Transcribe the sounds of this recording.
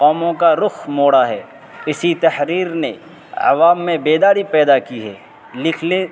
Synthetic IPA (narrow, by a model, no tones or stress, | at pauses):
qɔːmõkaɾʊxmoːɽaɦɛː | ɪsit̪ɐhɾiːɾne | ɐ̰ʋaːmːẽbeːd̪aːɾipɛːd̪akiɦɛː | lɪkʰle